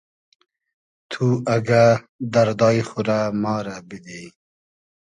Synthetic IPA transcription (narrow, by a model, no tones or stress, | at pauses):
t̪ʰuaɡa | d̪ɐɾd̪ɑːjχuɾamɑːɾabid̪ej